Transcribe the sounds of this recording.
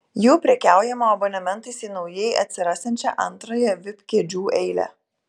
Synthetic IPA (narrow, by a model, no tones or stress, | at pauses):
juːpʲɾʲɛkʲæˑʊjɛmoːɐbonʲɐmʲɛnˑt̪ɐɪsiːnɒʊjɛɪʔɐ̰t̪ʲsʲɪɾɑːsʲɛnʲt͡ʃʲɛʔɐnt̪ɾoːjɛʋʲɪpʲkʲeːd͡ʒʲuːʔɛɪlʲæ̰